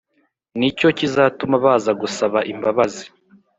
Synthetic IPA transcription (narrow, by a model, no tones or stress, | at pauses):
nico̞cizaːtumaβaːzaɡusaβaʔimbaβazi